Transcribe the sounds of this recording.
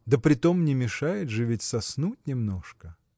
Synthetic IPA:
d̪əpɾʲɪt̪omnʲɪmʲɪʂajɪd̪ʐɨvʲɪtʲsɐsnutʲnʲɪmnoʂkə

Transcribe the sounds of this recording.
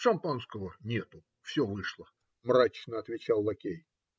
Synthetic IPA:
ʂɐmpanskəvənʲe̞t̪ʊ | fsʲovɨʂlˠə | mɾat͡ɕnəɐt̪vʲɪt͡ɕalˠːɐkʲej

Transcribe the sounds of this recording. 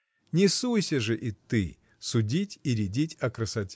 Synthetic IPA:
nʲɪsujsʲəʐɨʔit̪ɨ̰ | sʊdʲitʲiɾʲɪdʲitʲɐkɾəsɐtʲ

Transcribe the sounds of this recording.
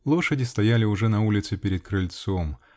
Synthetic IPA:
lˠo̞ʂədʲɪst̪ɐjalʲɪʊʐɛnɐulʲɪt̪sɨpʲɪɾʲɪd̪̚kɾɨlʲt̪som

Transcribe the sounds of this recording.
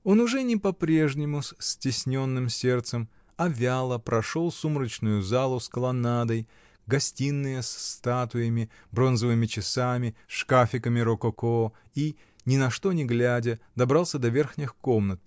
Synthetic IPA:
o̞nʊʐɛnʲɪpɐpɾʲe̞ʐnʲɪmʊssʲtʲɪsʲnʲo̞nːɨmsʲe̞rt̪səm | ɐvʲalˠəpɾʔɐʂo̞lˠsumɾət͡ɕnʊjʊzalˠʊskəlˠɐnad̪əj | ɡɐsʲtʲinːɨjəsːt̪at̪ʊjəmʲɪ | bɾo̞nzəvɨmʲɪt͡ɕɪsamʲɪʂkafʲɪkəmʲɪɾokoko | i | nʲɪnɐʂt̪o̞nʲɪɡlʲædʲəd̪ɐbɾɑlˠsʲəd̪ɐvʲe̞rxnʲɪxko̞mnət̪̚

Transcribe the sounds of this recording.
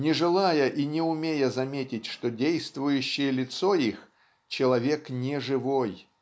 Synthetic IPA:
nʲɪʐɨlˠajəʔinʲɪʊmʲejəzɐmʲetʲɪtʲʂt̪odʲejst̪vʊjʉɕːɪjəlʲɪt̪so̞ix | t͡ɕɪlˠɐvʲe̞knʲɪʐɨvo̞j

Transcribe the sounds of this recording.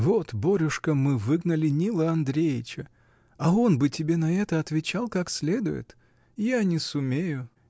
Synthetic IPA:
vo̞t̪boɾʲʊʂkəmɨvɨɡnəlʲɪnʲilˠəɐnd̪ɾʲejɪt͡ɕə | ɐo̞nbɨtʲɪbʲe̞nɐɛt̪əɐt̪vʲɪt͡ɕalˠkaksʲlʲe̞d̪ʊ̰jɪ̰t̪ | janʲɪsʊmʲejʊ

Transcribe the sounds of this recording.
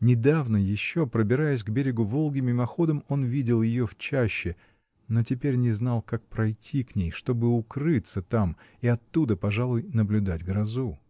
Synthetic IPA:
nʲɪd̪avnəjɪɕːo̞pɾəbʲɪɾajʊsʲɡbʲeɾʲɪɡʊvo̞lˠɡʲɪmʲɪmɐxo̞d̪əmo̞nvʲidʲɪlˠjɪjo̞ft͡ɕæɕːɪ | no̞tʲɪpʲeɾʲnʲɪznɑlˠkak̚pɾɐjtʲʰːiknʲejʂt̪o̞bɨʊkɾɨt̪sət̪am | iɐt̪ːud̪əpɐʐalˠʊjnəblʲʊd̪atʲɡɾɐzu

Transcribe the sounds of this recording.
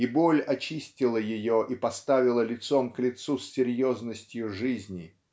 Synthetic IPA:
ibo̞lʲɐt͡ɕisʲtʲɪlˠəjɪjoʔipɐst̪avʲɪlˠəlʲɪt̪so̞mklʲɪt̪susʲːɪɾʲjo̞znəsʲtʲjʊʐɨzʲnʲɪ

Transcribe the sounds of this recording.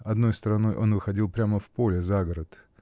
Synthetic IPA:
ɐd̪no̞jst̪əɾɐno̞jʔo̞nvɨxɐdʲilˠpɾʲaməfpo̞lʲɪzaɡəɾət̪

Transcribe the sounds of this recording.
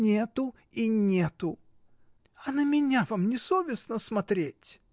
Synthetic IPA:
nʲet̪ʊ | inʲet̪ʊ | ɐnəmʲɪnʲavamnʲɪsovʲɪsnəsmɐt̪ɾʲetʲ

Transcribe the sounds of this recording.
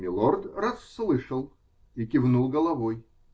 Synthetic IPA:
mʲɪlˠord̪rɐsːlˠɨʂəlˠ | ikʲɪvnulˠɡəlˠɐvoj

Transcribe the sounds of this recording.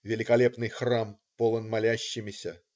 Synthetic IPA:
vʲɪlʲɪkɐlʲepnɨjxram | polˠənmalʲæɕːɪmʲɪsʲɐ̰

